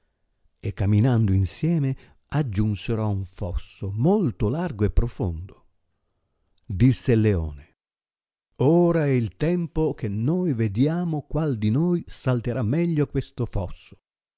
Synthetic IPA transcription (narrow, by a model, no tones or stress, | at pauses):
ekːamːinand̪oinsjɛːme | ad͡ʒːunseɾɔuɱfɔsːomolt̪ʊlarɡoepːɾofo̰nd̪o | d̪isːeleɔ̰ːne | oːɾaɛilt̪ɛmpok̟enːojved̪jaːmokwald̪inoːjsalt̪eɾʔamːɛʎːokwest̪ofɔsːo̥